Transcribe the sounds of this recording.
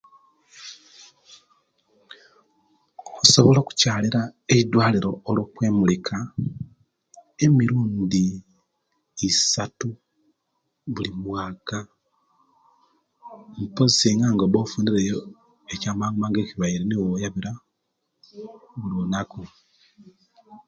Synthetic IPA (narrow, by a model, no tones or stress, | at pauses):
kosoβoloku̥caːliɾaeid̪waːliɾo̞ːlwokweːmulikʰa | emiɾuːndi | satu | βulimwaːka | mpozisiŋɡaːŋɡoβofuːndiɾejo | ecaːmaŋɡumaːŋɡe̞ːciβaiɾenewojaβiɾa | βulonako